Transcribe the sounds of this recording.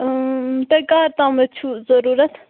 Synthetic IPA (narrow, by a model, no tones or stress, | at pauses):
t̪ekaːɾt̪amɛt͡ʃʰuzɐɾuːɾɐt̪ʰ